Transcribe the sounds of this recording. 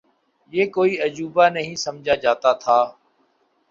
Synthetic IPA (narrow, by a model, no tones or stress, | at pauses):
jeːkoːiːəd͡ʒuːbaːnəɦĩːsəmd͡ʒʱaːd͡ʒaːt̪aːt̪ʰaː